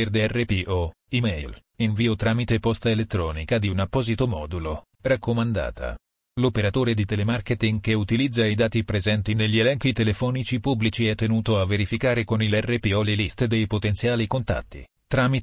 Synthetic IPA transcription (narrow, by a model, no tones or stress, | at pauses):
erd̪eɛrːepiʔɔ | imɛjlinviːot̪ɾaːmit̪epɔst̪elet̪ːɾɔːnikad̪iunapːɔːzit̪omɔːd̪ulo | rakːomand̪a̰ːt̪ʰa̰ | lopeɾat̪oːɾed̪it̪elemarket̪iŋɡkeut̪ilid̪zːaid̪aːt̪ipɾezɛnt̪ineʎːielɛŋkit̪elefɔːnit͡ʃipubːlit͡ʃiɛt̪ːenuːt̪oavːeɾifikaːɾekonilɛrːepiɔlelist̪d̪ejpot̪ent̪sjaːlikont̪a̰t̪ːḭ | t̪ɾamit